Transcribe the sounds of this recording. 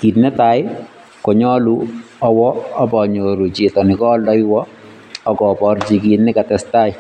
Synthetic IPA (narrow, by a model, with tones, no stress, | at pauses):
ki˨tnɛ˦ta˨˦j | kɔ˨ɲɔ˦lu˦ɔ˦wɔ˦ɔ˦bɔ˨ɲo˨ɾu˨d͡ʒi˨tɔ˨nɪ˨kɔ˦ldɔ˦jwɔ˦ | ɔ˦ɡɔ˨pɔ˨˦ɾd͡ʒi˨ɡi˨tnɪ˦ka˨tɛsta˦j